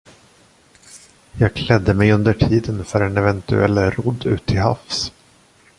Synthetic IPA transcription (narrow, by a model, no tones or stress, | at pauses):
jɑːɡkʰlɛd̪ːəmɛjɵnd̪əʈʰiːd̪ənfœɾɛnɛvɛnt̪ɵ̰ɛlːɾɔd̪ːʉ̟̰ːt̪ʰːɪlɦa̰fs